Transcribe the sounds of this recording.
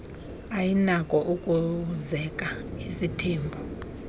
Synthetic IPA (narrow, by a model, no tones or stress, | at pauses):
ajinakʼɔʔukʼuzɛkʼaisitʰeːmbʱu